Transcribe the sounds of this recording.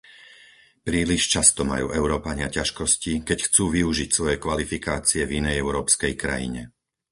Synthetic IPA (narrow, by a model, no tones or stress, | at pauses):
pɾiːliʃt͡ʃast̪ɔma̰jṵːʔɛʊɾɔːpaɲɪacaʃkɔscikɛcxt͡suːʋiuʒicsʋɔjɛkʋalifikaːt͡siɛvinɛjɛʊɾɔːpskɛjkɾa̰jḭɲɛ